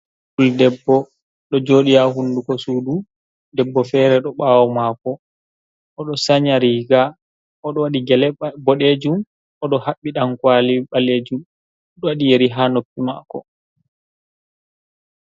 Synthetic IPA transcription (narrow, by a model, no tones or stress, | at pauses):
kuldɛbːɔ | ɗɔd͡ʒoːɗijaɦundukɔsuːdu | dɛbːɔfɛːɾɛɗɔɓaːwɔmakɔ | ʔɔɗɔsaɲaɾiːɡa | ʔɔɗɔwaɗiɡɛlɛbɔɗed͡ʒum | ɔɗɔhaɓːiɗaŋkwaliɓaleːd͡ʒum | ɗɔwaɗijeɾiɦaːnopːima̰kɔ̰